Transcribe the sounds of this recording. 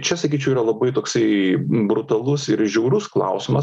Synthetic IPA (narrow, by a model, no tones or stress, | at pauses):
t͡ʃʲɛsɐkʲiːt͡ʃʲɛʊiːɾɐlˠɐbɐɪt̪oːksɐɪbɾʊt̪ɐlˠʊsɪɾʒʲɛʊɾʊsklˠɐ̰ʊsʲɪmɐ